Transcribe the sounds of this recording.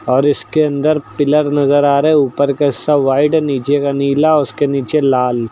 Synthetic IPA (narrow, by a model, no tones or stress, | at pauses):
ɔːɾɪskeɐ̃nd̪əɾpɪləɾnɐzəɾaːɾeeuːpəɾkeɪsaʋaːɪʈniːt͡ʃekaniːlaʊskeniːt͡ʃelaːl